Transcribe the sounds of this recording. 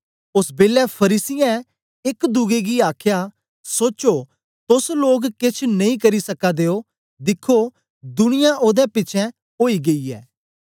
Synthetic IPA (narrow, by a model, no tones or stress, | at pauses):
ʊsbeːlɛpʰɐɾiːsɪjɛ̃ | ɪkd̪ʊɡeɡiaːkʰja | soːt͡ʃoː | t̪ʊsloːɡkɪt͡ʃʰnɐ̃ĩkɐɾisɐkad̪eːoː | d̪ɪkʰːo | d̪ʊñɪjãʔoːd̪ɛpɪt͡ʃʰɛ̃ | oːiɡɐiːɛ̰ː